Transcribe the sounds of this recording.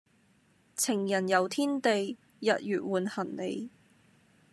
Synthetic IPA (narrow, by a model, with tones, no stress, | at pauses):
t͡sʰɪ˨˩ŋjɐ˨˩njɐ˨˧wt̪ʰiː˥nt̪e˨j | jɐ˨t̚jyː˨t̚wuː˨nhɐ˨˩nne˨˧j